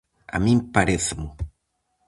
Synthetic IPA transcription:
a̰mĩmpaɾeθemʊ

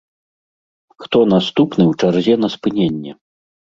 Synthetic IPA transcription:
xt̪ɔnast̪upnɨwt͡ʂarzʲɛnɐspɨnʲenʲːɛ

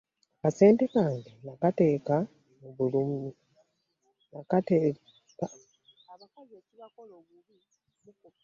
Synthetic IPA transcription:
kase̞ːntekaːŋɡenakate̞ːka | muβulumi | nakatː | aβakozeːciβakoloːβuβi | muku

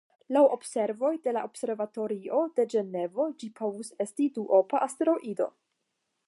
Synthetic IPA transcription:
lawʔo̞bse̞ɾvo̞jde̞laʔob̥se̞ɾvato̞ɾio̞de̞d͡ʒe̞ne̞vo̞d͡ʒipʰo̞vuse̞stiduʔo̞paʔasteɾo̞ʔido̞̰

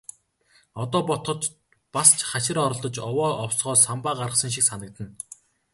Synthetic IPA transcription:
ɔt̪ɔːpɔt̪χɞ̆t̪ | past͡ɕʰχaʃɪ̆rɔɾɞ̆ɮt̪ɞ̆t͡ɕɔwɔːɔwsʁ̥ɔːsampaːɢaɾʁə̆sə̆ŋʃ̬iksanə̆k̚t̪ə̆n

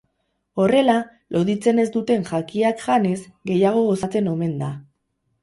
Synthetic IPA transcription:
o̞re̞la | lʔo̞ðit͡se̞ne̞zd̪ut̪e̞nʝakiakʝane̞zɡe̞jaɣ̞o̞ɣo̞sat͡se̞no̞me̞nd̪a

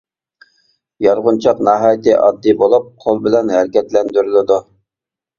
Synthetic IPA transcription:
jɑɾʁʊnt͡ʃʰɑqnɑːɦɑːjt̪ɪʔɑ̰d̪ːibolˠup̚qʰolˠbɪlɛnɦæɾkʲɛt̪lɛnd̪yɾylɪd̪u

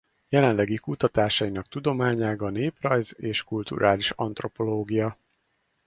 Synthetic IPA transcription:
jɛlɛnlɛɡikut̪ɒt̪aːʃɒjinɒkt̪ud̪o̞maːɲaːɡɒneːprɒjzeːʃkult̪ṵɾʔaːliʃɒ̰nt̪ro̞po̞loːɡijɒ

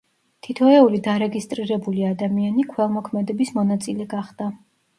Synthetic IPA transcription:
t̪ʰit̪ʰɔɛulid̪aɾɛɡist̪ʼɾiɾɛbuliad̪amianikʰwɛlˠmɔkʰmɛd̪ɛbismɔnat̪sʼilɛɡaχd̪̥a

